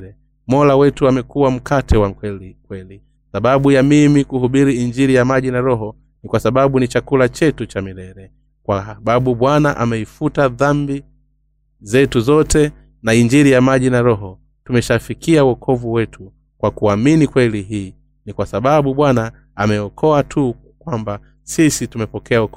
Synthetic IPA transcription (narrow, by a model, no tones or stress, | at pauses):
ɛ | mɔlawɛtuamɛkuwam̩katʰɛwakwɛlikwɛli | saɓaɓujamimikuhuɓiɾiiɲd͡ʒiɾijamaʄinaɾɔɦɔ | nikwasaɓaɓunit͡ʃakulat͡ʃɛtut͡ʃamilɛɾɛ | kwaɓaɓuɓwanaʔamɛifutaðambi | zɛtuzɔtɛ | naiɲd͡ʒiɾijamaʄinaɾɔɦɔ | tumɛʃafikiawɔkʰɔvuwɛtʰu | kwakuaminikwɛliɦiː | nikwasaɓaɓuɓwanaː | mɛɔkʰɔatʰu | kwamba | sisitumɛpɔkɛaɔkɔ